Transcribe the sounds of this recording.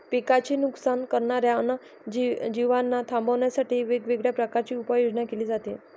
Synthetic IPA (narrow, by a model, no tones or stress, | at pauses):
pikat͡ɕiːnuksankəɾɳaɾjaəna | d͡ʑid͡ʑiʋanːat̪ʰambʱəʋɳjasaʈiːʋeɡʋeɡɭjapɾəkaɾt͡ɕiːupəjod͡ʑɳakeliːd͡zat̪e